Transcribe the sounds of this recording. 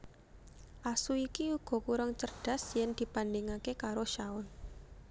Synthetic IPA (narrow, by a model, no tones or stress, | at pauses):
ʔasuikiuɡ̥ɔ̤kuɾaŋt͡ʃərɖ̥a̤sjɛnd̪̥i̤pandeŋakekaɾoʃaʊn